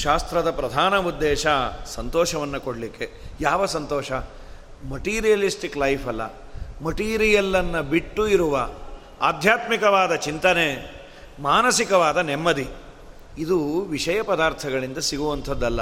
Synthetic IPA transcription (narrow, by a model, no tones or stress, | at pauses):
ʃaːst̪ɾɐd̪ɐpɾɐd̪ʱaːnɐud̪ːeːʃɐsɐnt̪ɔːʃɐʋɐnːɐkoɽlikːe̞ | jaːʋɐsɐnt̪ɔːʃɐ | mɐʈiːɾijɐlisʈiklɐjpʰɐlːɐ̰ | mɐʈiːɾijɐlːɐnːɐbiʈːuiɾuʋɐ | a̰ːd̪ʱjaːt̪mikɐʋaːd̪ɐt͡ʃint̪ɐne | maːnɐsikɐʋaːd̪ɐnemːɐd̪i | id̪uʋiʂɐjɐpɐd̪aːɾt̪ʰɐɡɐɭind̪ɐsiɡuʋɐnt̪ʰɐd̪ːɐlːɐ